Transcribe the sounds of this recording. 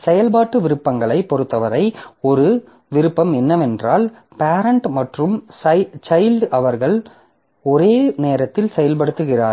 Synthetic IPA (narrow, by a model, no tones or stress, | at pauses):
sɛjɐlpaːʈːɯʋɪɾɯpːɐŋɡɐɭɐɪpːɔɾɯt̪ːɐʋɐɾɐɪɔɾɯ | ʋɪɾɯpːɐmɛnːɐmɛndraːl | paːɾɐɳʈmɐʈrɯmsɐt͡ʃɐɪlɖɐʋɐɾɣɐɭ | ɔɾeːneːɾɐt̪ːɪlsɛjɐlpɐɽɯt̪ːɯɣɪra̰ːɾ